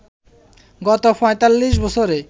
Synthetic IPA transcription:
ɡɔt̪opɔet̪alːiʃbɔsʰoɾe

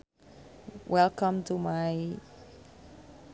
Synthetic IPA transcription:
wʔɛlkʰə̃mtumaɪ

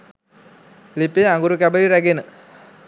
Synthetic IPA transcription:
lipeaŋɡuɾukæbəɾiɾæɡenə

